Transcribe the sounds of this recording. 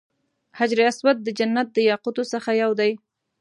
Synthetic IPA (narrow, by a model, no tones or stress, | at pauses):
had͡ʒɾeaswat̪̚d̪əd͡ʒanːat̪̚d̪əjɑqut̪osəxajawd̪aj